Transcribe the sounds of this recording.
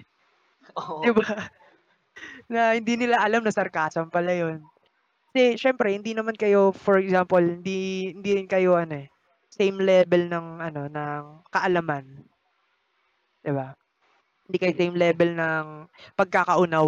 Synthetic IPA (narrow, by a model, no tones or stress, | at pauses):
d̪ɪba | nɐhɪnd̪iːnɪlaʔɐlamnɐsɐɾkaːsɐmpɐlajo̞n | kɐ̥sɛʃɛmpɾɛhɪnd̪inɐmankɐjo̞fɔɹɛkzampolhɪnd̪ihɪnd̪iɾɪnkɐjo̞ʔɐno̞ɛ | sejmlɛːbɛlnɐŋʔɐno̞nɐŋkɐʔɐlɐman | d̪̥ɪba | hɪnd̪iːkɐjosejmlɛːbɛlnɐŋpɐɡ̚kakɐʔʊna